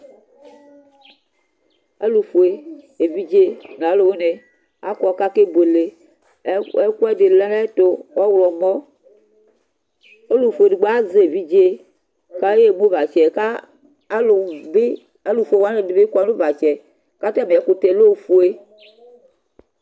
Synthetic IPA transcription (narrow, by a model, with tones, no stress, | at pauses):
e˦lu˨fu˨e˨ | e˨vi˦d͡ʒe˦n˨a˨˦lo˨wo˦ne˨ | a˦kɔ˨ka˦ke˦bo˨le˨˦ | ɛ˦kʷɛ˦de˨lɛ˦lɛ˦t̪o˨ɔ˦wlɔ˨mɔ˦ | o˦lu˨fe˨di˨ɡ͡ba˦ze˨˦e˨vi˦d͡ʒe˦ | ka˦je˦˨mu˦va˨t͡ʃɛ˨ka˦ | lo˨be˦ | a˦lu˨fu˨˦e˨wa˦ne˨di˨be˦ka˨˦lo˦va˨t͡ʃɛ˨ | ka˦t̪ɛ˦m˨ɛ˨˦ko˨t̪e˨lo˦˨fu˨e˦